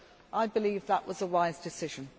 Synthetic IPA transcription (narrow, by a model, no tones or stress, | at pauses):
ʔaɪbɪliːvðəʔwɒzəwaɪzdɪsɪʒ̥ə̃n